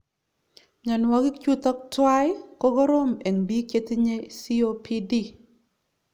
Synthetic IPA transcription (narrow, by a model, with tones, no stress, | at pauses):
ɲɔ˨nwɔ˨ɡɪ˦kt͡ʃu˦t̪ɔ˦k̚twa˦jko˦ɡɔ˦ɾo˦me˨ŋbi˦ke˦t̪i˦ɲe˦si˦o˦pʰi˦di˦˨